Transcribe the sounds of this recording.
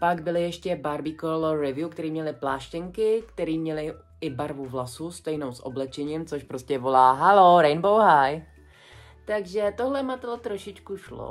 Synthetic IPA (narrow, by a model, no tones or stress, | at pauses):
paɡbɪlɪjɛʃcɛbaɾbikoloɾɛvjukt̪ɛɾiːmɲɛlɪplaːʃcɪŋkɪkt̪ɛɾiːmɲɛlɪ | ɪbaɾvuvlasust̪ɛjno̞wsʔo̰blɛt͡ʃɛɲimt͡so̞ʃpɾoscɛvo̞laːɦalo̞ɾɛjnbowɦaj | t̪aɡʒɛt̪oɦlɛmat̪lot̪ɾoʃɪt͡ʃkuʃlo̰